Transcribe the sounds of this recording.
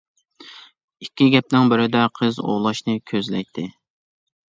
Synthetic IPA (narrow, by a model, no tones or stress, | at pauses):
ikʲːiɡʲɛp̚nɪŋbɪɾɪd̪ɛqʰəzo̰ʁlˠɑʃnɨkʲʰøzlɛ̰jt̪ʰːɪ